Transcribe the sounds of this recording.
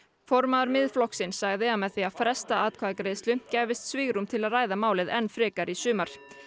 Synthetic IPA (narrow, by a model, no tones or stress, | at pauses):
fɔɾmaðʏɾmɪðflɔhksɪnsːaɣðɪamɛðθiafɾɛst̪aaːt̪̚kʰvaðkɾeːjðst̪lʏcɛːvɪst̪sviːɣɾumt̪ʰɪlaðraːjðamaːwlɪðɛnːfɾɪːkaɾisʏːmaɾ̥